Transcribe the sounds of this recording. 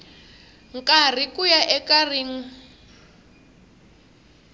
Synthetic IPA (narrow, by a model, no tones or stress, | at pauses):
ŋkʼar̤ikujaʔɛkariːŋ̩